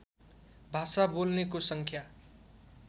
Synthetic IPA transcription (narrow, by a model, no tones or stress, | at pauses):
bʱasabolnekosʌŋkʰja